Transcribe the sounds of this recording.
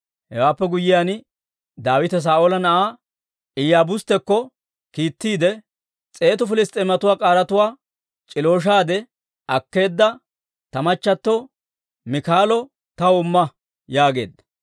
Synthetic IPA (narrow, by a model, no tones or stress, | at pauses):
hɛwaːpːɛɡʊjɪjan | d̪aːwɪt̪ɛs̬aːʔolɐnɐʔaː | ʔɪjaːbʊst̪ɛkːɔ | kiːt̪ːiːd̪ɛ | t͡sʼe̞ːt̪ʊfɪlɪst̪ʼemɐt̪ʊwaːkʼaːɾɐt̪ʊwaː | t͡ʃʼɪloːʃ̬aːd̪ɛ | ɐkːe̞ːd̪ːɐ | t̪ɐmɐt͡ʃːɐt̪ːɔ | mɪkaːlɔ | t̪ɐwɔmːɐ | jaːɡe̞̰ːd̪ːɐ̥